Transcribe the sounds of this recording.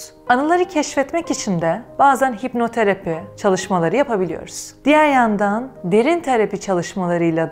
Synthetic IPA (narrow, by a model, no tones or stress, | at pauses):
anɯlˠaɾɯcʰɛʃfɛt̪mɛcit͡ʃʰind̪ɛb̥aːzænɦipno̞t̪ʰaɾapʰit͡ʃʰalˠɯʃmalˠaɾɯjapʰabilʲijo̞̰ɾuz̥d̪̥ijæɾjand̪and̪e̞ɾint̪ʰeɾapit͡ʃʰalˠɯʃmalˠaɾɯjlˠa